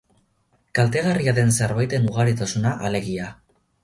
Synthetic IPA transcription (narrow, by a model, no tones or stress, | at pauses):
kalt̪e̞ɣariaðe̞nseɾβajt̪e̞nuɣ̞aɾit̪asunaʔale̞ɣia